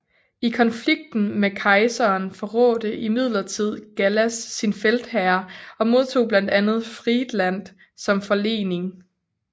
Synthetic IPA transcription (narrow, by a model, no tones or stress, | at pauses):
ikʰɒ̽nfliɡ̥̚d̥n̩mekʰɑ̈ɪsɐːnfɒʁɔ̰̽ːd̥əʔimið̞̰ˠlɐt͡sʰið̞̰ˠɡ̥ælæsːinfeld̥hæɐɒ̽mo̝ð̞ˠt͡sʰo̝̰ːb̥lænd̥ænð̞̩ˠfʁid̥læn̰d̥ | sɒ̽mfɒ̽le̝̰ːne̝ŋ